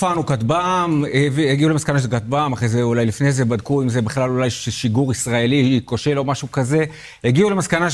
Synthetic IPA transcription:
fanukat̪bamvieɡiulemaskanaʃelkat̪̚bamaχʁejzeulajlifnezebad̚kuimzebeχlalulajʃeʃiɡuʁisʁae̞likoʃelo̞maʃukaze̞ | eɡiule̞maskana

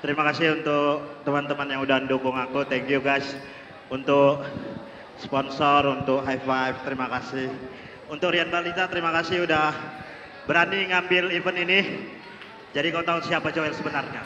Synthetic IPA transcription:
t̪əɾimakasɪhunt̪ʊk̚t̪əmant̪əmanjaŋudaəndukʊŋakut̪ɛŋkjuɡajs | unt̪ʊk̚ | spɔnsɔrunt̪ʊk̚ɦajfajft̪əɾimakasɪh | unt̪ʊk̚ɾianbalit̪at̪əɾimakasɪhudah | bəɾaniŋambɪlivənini | d͡ʒadikaut̪aʊt̪siapad͡ʒoɪlsəbənarɲa

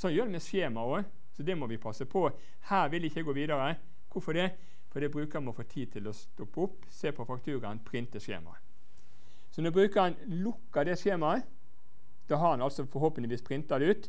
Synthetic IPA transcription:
sɔnjøːɾdɛmɛseːmɑoː | sɔd̪ɛmɔʋɪpʰɑsːəpʰɔ | hæːɾʋɪlɪçːəɡoːʋiːd̪ɑɾə | kʰʊfɔd̪ɛ | fɔd̪ɛbɾʉːkəɾmɔfoːt̪ʰiːd̪̚t̪ʰɪlɔst̪ɔpːʊpːseːpʰɔfɑkt̪ʰʉːɾənpʰɾɪnt̪əsḛːmɑ̰ | sɔnɔbɾʉːkəɑn | lʊkːɑd̪ɛʂeːmɑ | d̪̥ɑːɦɑɑnɑlsɔfɔɾhoːpənd̪əʋiːspʰɾɪnt̪ɑd̪ʉːt̪

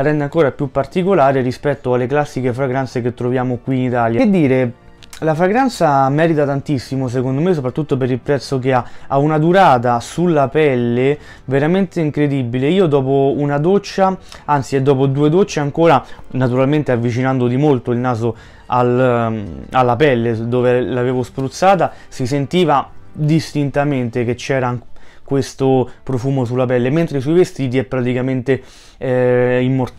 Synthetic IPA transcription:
aɾɛnd̪eaŋkoːɾapjupːart̪ikolaːɾeɾispɛt̪ːoalːeklasːikefɾaɡɾant̪sek̟et̪ːɾovjaːmokwiːnit̪aːljad̪ːiːɾe | lafɾaɡɾant̪samɛːɾit̪at̪ant̪isːimos̬ekond̪omes̬ːopɾat̪ːut̪ːopeɾilpɾɛt̪sːok̬eaaunad̪uɾaːt̪̬asulːapɛlːe | veɾament̪eiŋkɾed̪ibileiːod̪ɔːpounad̪ot͡ʃːaant̪sied̪ːɔːpod̪uːed̪ot͡ʃːeaŋkoːɾanat̪uɾalment̪eavːit͡ʃinand̪od̪imolt̪oilnaːzo | al | alːapɛlːed̪oːvelaveːvospɾut̪sːaːt̪a | sisent̪iːvad̪ist̪int̪ament̪eket͡ʃːɛːɾakwest̪opɾofuːmosulːapɛlːement̪ɾes̬ujvest̪iːt̪̬iɛpːɾat̪ikament̪e | imːor

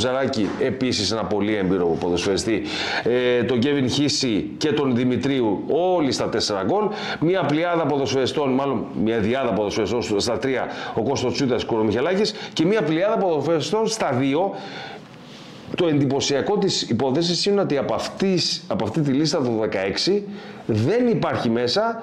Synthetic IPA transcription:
zɐɾɐcie̞pisise̞nɐpo̞liembiɾopupoðo̞sfeɐst̪i | t̪o̞ɟevinçisice̞t̪o̞nðimit̪ɾiuo̞list̪ɐt̪e̞se̞ɾɐɡo̞l | miɐpliɐðɐp̬oðo̞sfeɐst̪o̞nmɐlo̞nmɲɐðiɐðɐpoðo̞sfeɐst̪onsst̪ɐt̪ɾiɐo̞ko̞st̪ost͡sut̪ɐskuɾomiçelɐcisce̞miɐpliɐðɐpoðosfest̪o̞nst̪ɐðio̞ | t̪o̞e̞nd̪ipo̞siɐko̞t̪isipo̞θe̞s̬isineot̪iɐpɐft̪isɐpoɐft̪it̪̬ilist̪ɐt̪oðe̞kɐe̞ksi | ðe̞nipɐɾçime̞sɐ

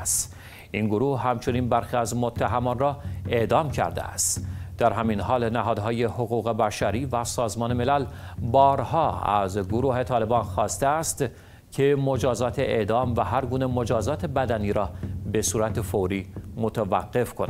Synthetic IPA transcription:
st̪ | ʔinɡoɾuːhhæmt͡ʃʰo̞niːnbæɾxiːæzmot̪ʰːæɦæmɒːnrɒːe̞ʔd̪ɒːmcʰæ̰ɾd̪ḛæ̰st̪d̪̥æɾɦæminɦɒːlnæɦɒːd̪ɦɒːje̞hoɣuːɣe̞bæʃæɾiːvæsɒːzmɒːneme̞læl | bɒːɾhɒːæ̰zɡoɾuːhe̞t̪ʰɒːle̞bɒːnxɒːst̪eæst̪ | cʰe̞mod͡ʒɒːzɒːt̪ʰeʔeʔd̪ɒːmvæɦæɾɡuːne̞mod͡ʒɒːzɒːt̪ʰe̞bæd̪æniːɾɒːbe̞suːɾæt̪ʰe̞foɾiːmot̪ʰævæɣːe̞fkʰon

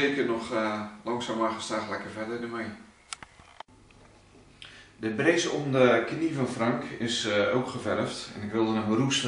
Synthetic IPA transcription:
ejkərnɔxlɑŋsaːmaχəstaːlɛkərvɛdədəmɛj | dəbrejzomdəknivɔnfrɑŋkɪsowkχəvɛrəftɛ̰nɪkʋɪlˠdənəmərus

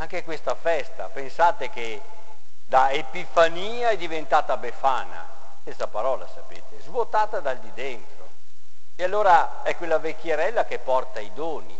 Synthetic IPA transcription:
aŋkekwest̪afɛst̪a̰pensaːt̪ek̟e | d̪aepifaniːaɛd̪ivent̪aːt̪abefaːna̰ | est̪apaɾɔːla̰sapḛːt̪ezvwot̪aːt̪ad̪ald̪id̪ent̪ɾo | ealːoːɾa | ɛkːwelːavekːjeɾɛlːakepːɔrt̪aid̪oːnḭ

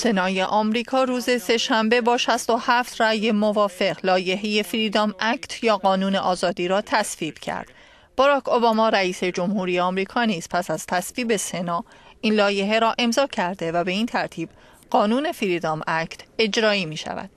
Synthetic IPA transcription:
se̞nɒːje̞ʔɒːmɾiːkʰɒːɾuːze̞se̞ʃæmbe̞bɒːʃæst̪o̞hæft̪ʰræje̞movɒːfe̞ɣlɒːje̞ɦe̞jefiɾid̪ɒːmækʰt̪ʰjɒːɣɒːnuːne̞ʔɒːzɒːd̪iːɾɒːt̪ʰæsviːb̥cʰæ̰ɾd̪̥ | b̥ɒɾɒːkʰobɒmɒːɾæiːse̞d͡ʒo̞mhuːɾijeɒːmɾiːkʰɒːniːz̥pʰæsæz̥t̪ʰæsviːbe̞se̞nɒːʔiːnlɒːje̞ɦe̞ɾɒːʔe̞mzɒːcʰæɾd̪e̞væbe̞iːnt̪ʰæɾt̪ʰiːb̥ | ɢ̥ɒːnuːne̞fiɾid̪ɒːmæcʰt̪ʰe̞d͡ʒɾɒːiːmiːʃæ̰væ̰d̥̪

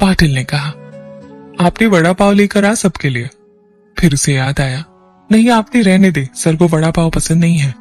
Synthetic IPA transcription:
paːʈɪlnekɐɦaː | aːpnebɐɽapaːwleːkɐɾaːsɐbkelie | fʰɪɾʊsejaːd̪aːjaː | nɐɦĩaːp̚neɾɛɦned̪eːsɐɾɡobɐɽapaːwpɐsə̃nd̪nɐɦĩɦɛː

